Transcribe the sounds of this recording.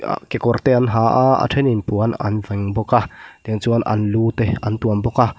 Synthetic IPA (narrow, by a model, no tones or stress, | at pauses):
a̰kekɔrt̪eanɦaʔaa̰ʈ͡ʂʰeninpuana̰nvaŋbɔkad̪̥iŋt͡suanʔa̰nlut̪eant̪uambɔka